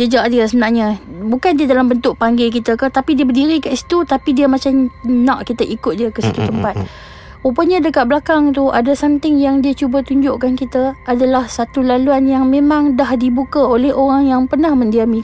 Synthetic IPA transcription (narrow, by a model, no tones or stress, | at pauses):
dəd͡ʒaʔdisənaʔɲãbukandiədalambənt̪ʊʔ̚paŋɡek̬it̪əkət̪apidiəbədiɾikaʔsi̥t̪ut̪apidiəmat͡ʃamnãʔkit̪əʔikʊt̪̚diəkəsit̪ut̪əmpat̪̚ | upəɲadəkat̪ʔ̪̚bəlakaŋt̪uʔa̰dasant̪ɪŋjaŋdiat͡ʃubat̪uɲd͡ʒʊʔkankit̪əadalahsat̪ulaluanjaŋmemãŋdahdibukaolɛhoɾaŋjaŋpərnahməndiamĩ